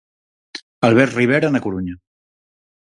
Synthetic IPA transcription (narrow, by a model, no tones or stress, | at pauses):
alˠβ̞ɛɾtriβ̞eɾanəkuɾuɲə